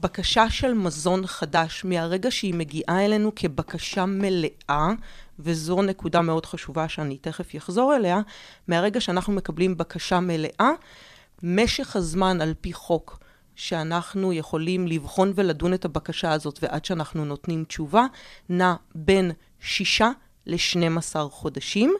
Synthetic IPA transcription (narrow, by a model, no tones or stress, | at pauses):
bakaʃaʃe̞lmazo̞nχadaʃmeaʁe̞ɡaʃeime̞ɡiʔae̞le̞nukʰe̞bakaʃame̞le̞ʔavezo̞ne̞kudame̞o̞d̥χaʃuvaʃeanite̞χe̞fjaχzo̞ʁele̞ameaʁeɡaʃeanaχnume̞kablimbakaʃame̞le̞ʔa | me̞ʃe̞χhazmanalpiχo̞k | ʃe̞anaχnujeχo̞limlivχo̞nve̞ladune̞tabakaʃaːzo̞tveʔadʃeanaχnuno̞tnimt͡ʃuvanabe̞n | ʃiʃa | le̞ʃne̞masaʁχo̞daʃim